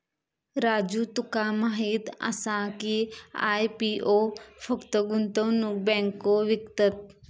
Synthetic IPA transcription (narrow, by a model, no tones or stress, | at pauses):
ɾaːd͡ʒut̪ukamaɦit̪ə̰sãkia̰ːjpiʔoːfʰəkt̪əɡʊnt̪õnũbɛ̃ːŋkːoʋɪkt̪ət̪̚